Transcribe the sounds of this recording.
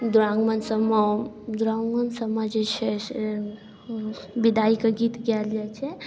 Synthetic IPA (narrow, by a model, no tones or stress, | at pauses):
d̪uɾaŋɡmənsəma | d̪uɾaŋənsəmad͡ʒet͡ʃʰɛ | bid̪aikeɡit̪ɡɛljɛt͡ʃʰɛ